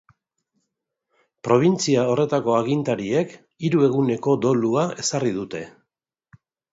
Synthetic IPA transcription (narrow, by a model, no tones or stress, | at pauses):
pɾo̞β̞int͡siao̞re̞t̪ako̞aɣint̪aɾie̞k | iɾue̞ɣune̞ko̞d̪o̞luae̞sarið̞ut̪e̞